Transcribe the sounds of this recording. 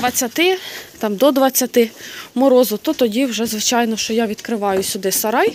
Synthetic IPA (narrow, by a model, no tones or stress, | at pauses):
ʋɐt͡sʲːɐt̪ɪt̪ɑmd̪ɔd̪ʋɐt͡sʲːɐt̪ɪmɔɾɔzʊt̪ɔt̪ɔdʲiwʒɛzʋɪt͡ʃɑjnɔʃt͡ʃɔjaʋʲid̪kɾɪʋɑjʊsʲʊd̪ɪsɐɾɑj